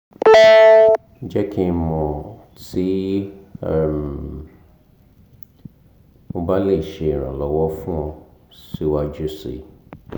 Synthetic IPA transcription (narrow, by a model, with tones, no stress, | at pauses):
d͡ʒɛ˦kʰi˦˧mɔ̃˨ | ti˦˨ | m | mo˧ba˦le˦˨ʃe˧i˨ɾ̃ã̰˨lɔ˨˦wɔ˦fũ˦ɔ̃˧si˦wa˦˧d͡ʒu˦sḛ˨